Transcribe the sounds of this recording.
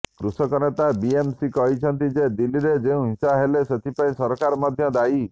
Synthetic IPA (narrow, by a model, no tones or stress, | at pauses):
kɾusɔkɔnet̪abiemsikɔɦit͡ʃʰɔnt̪id͡ʒed̪iliɾed͡ʒeũɦĩsaɦeleset̪ʰipaĩsɔɾkaɾɔmad̪ʱjɔd̪ai